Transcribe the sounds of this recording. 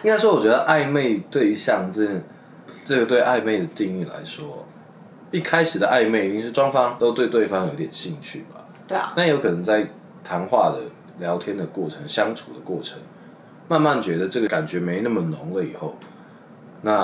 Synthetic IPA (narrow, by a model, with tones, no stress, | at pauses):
i˥ŋka˥ɪʂwɔ˥wɔ˨˩t͡ɕɥɛ˧˥d̪ə˧ʔa˥˧ɪme˥˧ɪt̪we˥˧ɪɕjɑ˥˧ŋʈ͡ʂə˥˩n | ʈ͡ʂɤ˥˩ɡə˩t̪we˥˧ɪʔa˥˧ɪme˥˩ɪd̪ə˩t̪i˥˧ŋi˥˩la̰˧˥ɪʂwɔ˦ | i˥˩kʰa˥ɪʂ̩˨˩d̪ə˦ʔa˥˧ɪme˥˩ɪi˥ŋʂɻ̩˥˩ʈ͡ʂwɑ˥ŋfɑ˥ŋt̪o˥ʊt̪we˥˧ɪt̪we˥˩ɪfɑ˥ŋjo˨˦i˥t̪jɛ˨˩nɕi˥˧ŋt͡ɕʰy̰˥˩ba˨˩ | na˥˩jo˧˥ʊkʰɤ˨˩nə˧˦ŋt͡sa˥˩ɪ | t̪ʰa˧˥nxwa˥˧d̪ə̰˩ | ljɑ˧˥ʊt̪ʰjɛ˥nd̪ə˨kwɔ˥˩ʈ͡ʂʰə˧˦ŋɕjɑ˥ŋʈ͡ʂʰu˨˩d̪ə˦kwɔ˥˩ʈ͡ʂʰə˧˦ŋ | ma˥˧nma˥˩nt͡ɕɥɛ˧˥d̪ə˨ʈ͡ʂɤ˥˩ɡə˨ka˨˩nt͡ɕɥɛ˧˥me˧˥ɪ˧na˥˩mə˩nʊ˨˦ŋlə˨i˨˩xo˥˩ʊ | na˥˨